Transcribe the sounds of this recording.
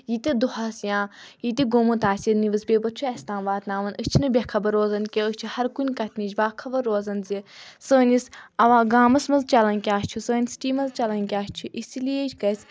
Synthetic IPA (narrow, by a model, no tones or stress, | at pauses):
jit̪id̪uhasjãːjit̪iɡoːmɨt̪aːsʲiniʋɨsbʲeːpɐt͡ʃʰuɐsʲt̪ãːnʋaːt̪naːʋɐnət͡ʃʰinɨbʲɐkʰɐbɐɾːoːzɐnkʲeət͡ʃʰihɐɾkunʲkɐt̪ʰʲnit͡ʃʲbaːkʰɐbɐɾːoːzɐnzʲisəːnʲisɐʋaːɡaːmɐsmɐzt͡ʃɐlɐnʲkʲaːst͡ʃʰusəːnʲisʈiːmɐzt͡ʃɐlɐnkʲaːst͡ʃʰuʔisilijet͡ʃʰʲkɐsʲ